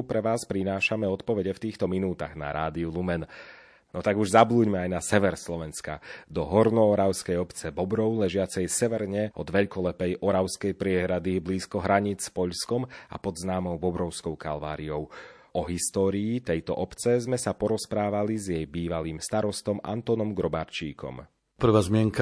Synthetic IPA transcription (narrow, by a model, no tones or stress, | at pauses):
pɾɛʋaːspɾinaːʃamɛɔt̪pɔʋɛɟɛft̪iːxt̪ɔminuːt̪a̰ɣna̰ɾʔa̰ːd̪iulumɛn | nɔt̪aɡuʒzabluːɟmɛajnasɛʋɛɾslɔʋɛnska̰d̪ɔɦɔɾnɔːɾaʊskɛjɔpt͡sɛbɔbɾɔʊlɛʒɪat͡sɛjsɛʋɛɾɲɛɔd̪ʋɛʎkɔlɛpɛjʔɔɾaʊskɛjpɾɪɛɦɾad̪ibliːskɔɦɾaɲit͡spɔʎskɔma̰pɔd̪znaːmɔʊvɔbɾɔʊskɔʊkalʋa̰ːɾiɔʊ | ɔɦist̪ɔːɾiːt̪ɛjt̪ɔ̰ʔɔpt͡sɛzmɛsapɔɾɔspɾaːʋalizjɛjbiːʋaliːmst̪aɾɔst̪ɔmʔa̰nt̪ɔnɔmɡɾɔbaɾt͡ʃḭːkɔ̰m | pr̩ʋaːzmɪɛŋka